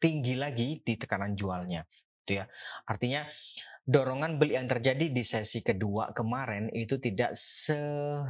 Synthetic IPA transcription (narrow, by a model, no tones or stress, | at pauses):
t̪iŋɡilaɡidit̪ə̥kanand͡ʒualɲa | ɡit̪ujaart̪iɲadoɾɔŋanbəljaŋt̪ərd͡ʒadidisɛsikədua̰kəmaɾɛnit̪ut̪ida̰ʔsə